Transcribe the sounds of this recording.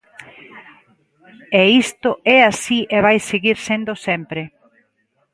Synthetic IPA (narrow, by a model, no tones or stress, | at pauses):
ɛist̪oɛasiʔeβajseɣiɾsend̪osɛmpɾe